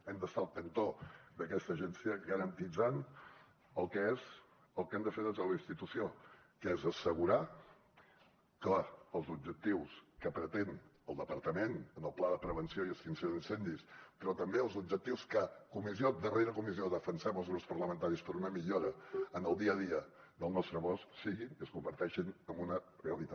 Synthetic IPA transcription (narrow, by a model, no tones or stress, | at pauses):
ɛmd̪əst̪alˠt̪ənt̪od̪əkɛst̪əʒɛnsiəɣəɾənt̪id͡zan | əlˠkɛɛz | əlˠkɛmd̪əfeɾðəzələinst̪it̪usio | kəɛzəsəɣ̞uɾa | klaəlˠzubd͡ʒək̚t̪iwskəpɾət̪en | əlˠd̪əpəɾt̪əmenənəlˠplaðəpɾəβ̞ənsioiəlˠsinsioðinsɛnd̪ispɾɔt̪əmbeəlˠzub̚d͡ʒək̚t̪iwskəkumizjod̪əreɾəkumizioðəfənsɛməlˠzɣɾupspəɾləmə̃nt̪aɾispəɾunəmiʎoɾəːnəlˠd̪iəðiə | ðəlˠnɔst̪ɾəβɔssiɣiniəskumbəɾt̪ɛʃinəmbunəreəlit̪a